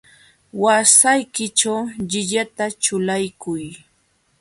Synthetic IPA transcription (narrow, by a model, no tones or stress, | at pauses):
wasajkɪt͡ʃawʎɪʎat̪at͡ʃʊlajkʊj